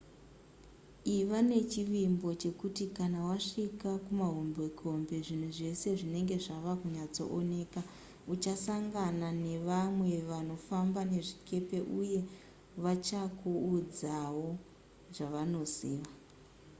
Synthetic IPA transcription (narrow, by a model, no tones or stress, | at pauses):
iʋane̞t͡ʃiʋimbo̞t͡ʃe̞kutikanawaʂikakumaɦombekʰo̞mbe̞ʐin̤uʐe̞se̞ʐine̞ŋɡe̞ʐaʋakuɲat͡so̞̰ʔone̞ːka | ut͡ʃasaŋɡanane̞ʋamwe̞ʋano̞fambane̞ʐikʰe̞pe̞ʔuje̞ | ʋat͡ʃakuːd͡zawo̞ | ʐaʋano̞ziːʋa